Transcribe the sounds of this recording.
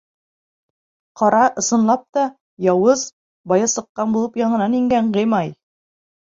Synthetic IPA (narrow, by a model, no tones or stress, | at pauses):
qɑɾɑʔɤ̆sɤ̆nlˠɑp̚t̪ɑ | jɑwɤz | bɑjɑsɤ̆qːɑnbulˠɤpjɑɴɤ̆nɑniŋɡæɴʁɤjmɑj